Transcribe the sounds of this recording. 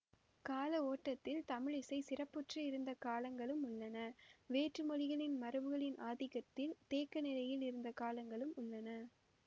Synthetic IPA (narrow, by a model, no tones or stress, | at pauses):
kaːlɐoːʈːɐt̪ːɪlt̪ɐmɪɻɪsɐɪsɪrɐpːɯʈrɐɪɾɯnd̪ɐkaːlɐŋɡɐɭɯmʊɭːɐnɐʋeːʈrɯmɔlɪɣɐɭɪnmɐɾɯʋɯɣɐɭɪnʔaːðɪɣɐt̪ːɪlt̪eːkːɐnɪlɐjɪlɪɾɯnd̪ɐkaːlɐŋɡɐɭɯmʊɭːɐnɐ